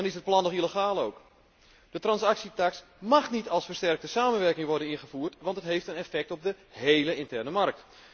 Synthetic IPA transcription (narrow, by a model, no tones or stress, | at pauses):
dɔnɪsət̚plɑnɔχiləxaːlˠowk | d̥ətrɑnsaksitaks | maxnitɑlˠsfərstɛrk̚təsaːmənʋɛrkɪŋʋɔrdənɪnχəfuːrtʋɑntətɦejftənɛfɛk̚tɔb̚də | hejləɪntɛrnəmark̚t